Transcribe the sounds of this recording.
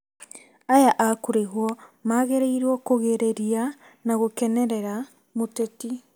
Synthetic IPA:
ajaʔakoɾeɦwɔmaɣeɾeiɾwɔkoɣeɾeɾia | naɣokɛnɛɾɛɾa | moteti

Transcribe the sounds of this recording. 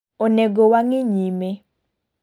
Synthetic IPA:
oneɡowaŋɪɲime

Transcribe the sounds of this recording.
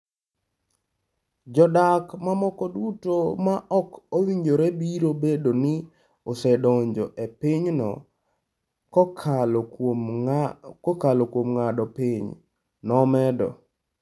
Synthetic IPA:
d͡ʒɔdakmamɔkɔdutomaʔɔkowiɲd͡ʒoɾɛbiɾobedonɪ | ɔsɛdɔɲd͡ʒɔ̰ʔepiɲnɔ̰ | kkʰ | ɔkalokwomŋadɔpiɲ | nɔmɛdɔ̰

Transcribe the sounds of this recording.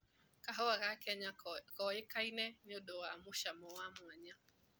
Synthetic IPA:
kaɦɔwaɣakaɲakɔekainɛnɔɗɔwamuʃamɔwamwaɲa

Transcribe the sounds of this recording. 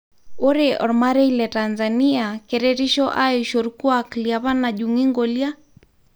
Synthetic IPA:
oɾeʔɔ̰ɾmaɾɛilɛtanzaniakɛɾɛɾiʃɔʔaeʃoɾukuakljaβanaʄuŋiŋɡolja

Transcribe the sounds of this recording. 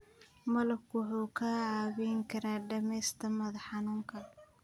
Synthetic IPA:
mɐlɐbkwʊħuːkʰaːʕaːβɛjŋkʰɐɾaːɖɐmɛjst̪ʰɐmɐðɐħɑnuːŋkʰɐ

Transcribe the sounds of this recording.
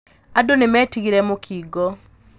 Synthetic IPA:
adonɪmɛtiɡiɾɛmokʰiɡɔ

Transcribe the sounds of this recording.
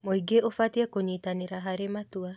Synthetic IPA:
moiɡeʔofatiɛkoɲitaneɾaɦaɾematua

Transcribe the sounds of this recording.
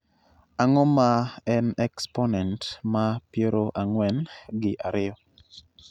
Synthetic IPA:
aŋɔmaɛnɛksponɛntmapjeɾoʔaŋwɛnɡɪʔaɾɪjɔ

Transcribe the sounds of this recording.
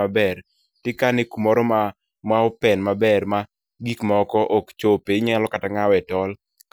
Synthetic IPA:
abɛr | tɪkanɪkumɔɾɔma | mwaɔpɛnmabɛrma | ɡikmɔɔkɔʔɔkt͡ʃopeɲɛlɔkataŋawɛtɔl | k

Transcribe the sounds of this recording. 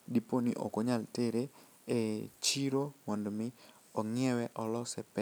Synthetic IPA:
diponḭʔo̰koɲalteɾe | et͡ʃiɾowɔndmɪ | ɔŋɪɛwɛʔɔlɔsɛpɛ

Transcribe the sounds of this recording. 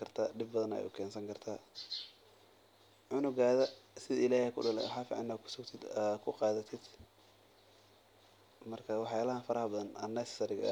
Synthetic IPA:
kʰɐrt̪ʰaːɖɪbːɐðɐnɛ̰jʊkʰɛːnsɐŋkʰɐrt̪ʰaː | ʕʊnʊɡaːðɐsɪðɐɪlaːhɛkʰʊ̰ɖɐlɛ̰wɑħaːfḭʕɑ̰nːɐkʰʊ̥sʊɡt̪ʰɪd̪kʰʊqɑːðɐt̪ʰɪd̪ | mɐrkʰɐwɑħjaːlɐɦɐnfɐɾɐhɐbɐðɐnɐnɐssɐɾɪɡɐ̰

